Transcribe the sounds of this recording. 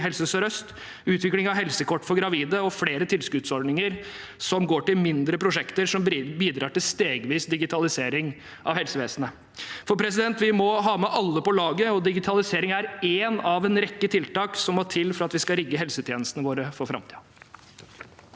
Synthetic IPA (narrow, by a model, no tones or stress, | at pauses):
ɦɛlsəsɔɾœst̪ | ʉːt̪ʰʋɪklɪŋɑʋɦɛlsəkɔʈːfɔɾɡɾɑʋiːd̪əɔfleːɾət̪ʰɪlskʉt̪sɔɾɖnɪŋəɾsɔmɡoːʈɪlmɪnd̪ɾəpʰɾʊʂɛkt̪əɾʂɔmbiːd̪ɾɑːʈɪlst̪eːɡʋiːsd̪ɪɡɪt̪ʰɑlɪseːɾɪŋ | ʔɑʋhɛlsəʋeːsənə | fɔɾpʰɾɛsɪd̪ɛnt̪ʋɪmɔɦɑːmɛʔɑlːəpɔlɑːɡəɔd̪ɪɡɪt̪ʰɑlɪseːɾɪŋæɾeːnɑʋɛnɾɛkːət̪ʰɪlt̪ɑːksɔmɔʈʰɪlːfɔɾɑt̪ʋɪskɑɾɪɡːəɦɛlsət̪ʰjeːnəst̪ənəʋoːɾəfɔɾfɾɑ̰mt̪ʰḭː